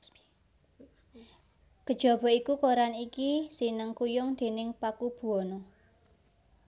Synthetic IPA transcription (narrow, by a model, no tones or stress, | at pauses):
ɡ̥əd̥ʒ̥ɔ̤b̥ɔ̤ikukoɾanikisinəŋkujʊŋd̪̥e̤nɪŋpakub̥ṳɔnɔ